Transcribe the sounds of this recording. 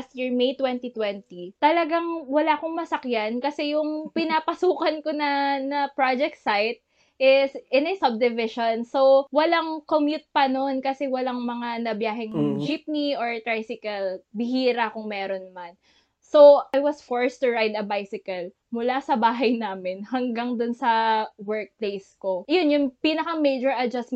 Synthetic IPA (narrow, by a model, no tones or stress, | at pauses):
sɪɹmejt̪wɛnt̪it̪wɛnt̪it̪ɐlɐɡaŋwɐlakoŋmɐsɐkjankɐsɛjʊŋpɪnapɐsuːkɐnkonɐnɐpɹad͡ʒɛk̚t̪sajt̪̚ | ʔɪsʔɪnɛsɐb̚d̪ɪvɪʃonsowwɐlaŋkomjut̪̚pɐno̞nkɐsɛwɐlaŋmɐŋanɐbjaːɦɛŋd͡ʒip̚niʔoɹt̪ɾajsɪkɐlbɪɦiːɾɐkʊŋmɛːɾonmɐn | sowʔajwɐsfoɹst̪ʊɹajd̪ɐbajsɪkɐl | mʊlasɐbaːɦɐjnaːmɪnhɐŋɡaŋd̪ʊnsɐwɛɹk̚plejskojonjʊŋpiːnɐkɐmejd͡ʒɔɹʔɐd͡ʒɐsm